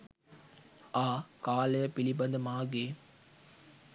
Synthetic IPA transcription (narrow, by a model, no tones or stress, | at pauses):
aːkaːlɐjɐpilibɐnd̪ɐmaːɡeː